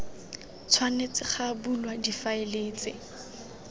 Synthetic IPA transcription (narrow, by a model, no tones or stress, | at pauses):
t͡sʰwanet͡sɪχabulwadifaeleːt͡sɪ